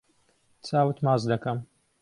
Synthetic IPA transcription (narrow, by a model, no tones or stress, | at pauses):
t͡sʰaːwɨt̪maːzd̪ɐkɐm